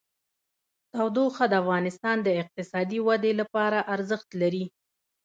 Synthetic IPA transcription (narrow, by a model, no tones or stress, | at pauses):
t̪awd̪oxad̪əafɣɑnɪst̪ɑnd̪əɪq̚t̪ɪsɑd̪iwad̪elapɑɾaʔaɾzəxt̪laɾi